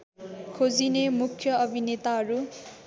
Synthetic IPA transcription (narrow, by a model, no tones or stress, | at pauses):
kʰod͡zinemukʰːjʌʌbʱinet̪aɦʌɾu